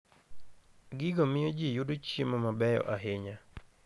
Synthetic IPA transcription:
ɡɪɡɔmɪjod͡ʒijudot͡ʃjemɔmabɛjɔ̰ʔaɦeɲa

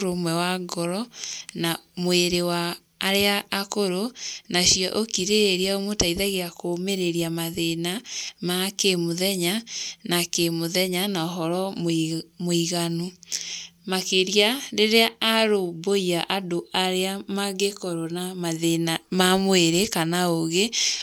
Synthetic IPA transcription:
ɾomwɛwaɡɔɾɔnamweɾewaː | ɾeaːkoɾonaɕiɔʔokiɾeeɾiaomotaiðaɣeakomeɾeɾiamaðenamakemoðɛɲanakemoðɛɲanaɔɦɔɾɔmmoiɣanu | makeɾiaɾeɾeaaɾoboiaʔadoaɾeamaɡekɔɾonamaðenamamweɾekanaoɣe

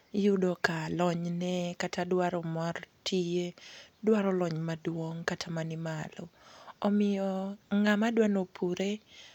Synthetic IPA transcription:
judɔkalɔɲnɛkatʰadwaɾɔmartʰijedwaɾɔlɔɲmadwoŋkatʰamanɪmalɔɔmɪjɔŋamadwanopʰuɾe

